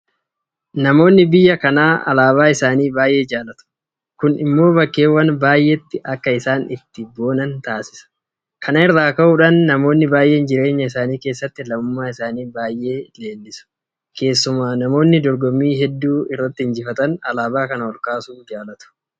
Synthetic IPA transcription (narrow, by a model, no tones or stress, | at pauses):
nɐmo̞ːnːɪbɪjːɐkɐnaːɐ̰laːβaːɪsaːniːbaːjʔe̞ːd͡ʒaːlɐt̪ʊ̥ | kʊnɪmːo̞ːbɐkːe̞ːwːɐnbaːjʔet̪ːɪʔɐkːɐɪsaːnɪt̪ːɪbo̞ːnɐnt̪aːsɪ̥sɐ̥ | kʰɐnɐɪɾːaːkɐʔʊᶑɐnːɐmo̞ːnːɪbaːjʔe̞ːnd͡ʒɪɾe̞ːɲːɐɪsaːniːke̞ːsːɐt̪ːɪlɐmʊmːaːɪsaːniːbaːjʔe̞ːle̞ːlːɪsʊ̥ | ke̞ːsːʊmaːnɐmo̞ːnːɪd̪ɔɾɡɔmiːɦɛd̪ːuːɪrːɐt̪ːɪɪnd͡ʒɪfɐt̪ɐnɐlaːbaːkɐnɐwɔlkaːsuːd͡ʒaːlɐt̪ʊ̥